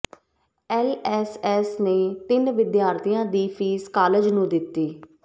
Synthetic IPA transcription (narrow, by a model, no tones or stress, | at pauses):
ɛːlɛːsɛːsneːt̪ɪnʋɪd̪jaːɾt̪ʰijãːd̪iːpʰiːskaːləd͡ʒnũːd̪ɪt̪ːiː